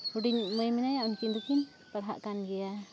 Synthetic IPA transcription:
huɖiɲməjmɛnajaʔunkind̪ukin | paɽɦa̰ʔkanɡɛja

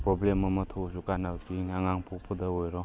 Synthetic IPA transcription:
pɾɔblemɐmɐtʰosukanawtiŋaŋaŋpʰuk̚pʰɔdɐojɾɔ

